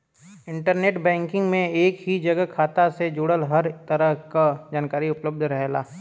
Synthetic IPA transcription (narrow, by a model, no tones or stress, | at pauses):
ɪ̃ɳʈəɾneːʈbɛ̃ːŋkɪ̃ŋɡmẽeːkɦid͡ʒɐɡəkʰaːt̪ased͡ʒuːɽəlɦəɾt̪əɾəɦkad͡ʒaːnkaːɾiʊpləb̚d̪ʱɾɐɦela̰ː